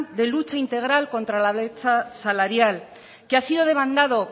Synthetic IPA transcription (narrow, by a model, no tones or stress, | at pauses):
d̪e̞lut͡ʃaint̪e̞ɣ̞ɾalkõ̞nt̪ɾalaβet͡sasalaɾjal | keasiðo̞ðe̞βand̪aðo̞